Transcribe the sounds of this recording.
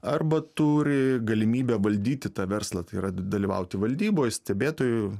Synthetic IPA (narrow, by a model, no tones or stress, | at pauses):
ɐrbɐt̪uːɾʲɪɡɐlʲɪmʲiːbʲɛʋɐlʲd̪ʲiːt̪ʲɪt̪ɑːʋʲɛrslˠɐt̪ɐɪirɐd̪ɐlʲɪʋɐ̰ʊt̪ʲɪʋɐlʲd̪ʲiːboːjsʲt̪ʲɛbʲeːt̪oːjʊ